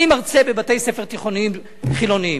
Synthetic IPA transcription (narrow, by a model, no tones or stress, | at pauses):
imaʁt͡se̞bebate̞jse̞fe̞ʁt̪iχo̞niim | χilo̞nii